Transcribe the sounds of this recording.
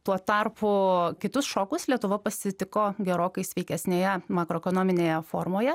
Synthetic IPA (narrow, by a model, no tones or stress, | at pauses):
t̪uɔt̪ɑrpʊkʲɪt̪ʊsʃoːkʊslʲiɛt̪ʊʋɐpɐsʲɪt̪ʲɪkoːɡʲɛɾoːkɐɪsʲʋʲɛɪkʲɛsʲnʲeːjɛmɑːkɾoɛkonoːmʲɪnʲeːjɛfoːɾmoːjɛ